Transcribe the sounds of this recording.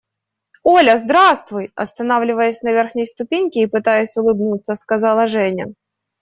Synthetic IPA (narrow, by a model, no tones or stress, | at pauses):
olʲɐzd̪ɾast̪vʊjɐ̰st̪ɐnavlʲɪvəjəsʲnɐvʲerxnʲɪjst̪ʊpʲenʲkʲɪipɨt̪ajʊsʲʊlˠɨbnut̪sːəskɐzɑlˠɐʐɛnʲɪ̰